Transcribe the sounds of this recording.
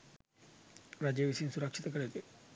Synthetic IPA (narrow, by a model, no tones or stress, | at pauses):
ɾad͡ʒeʋisinsuɾɐkʂit̪ɐkəɽet̪e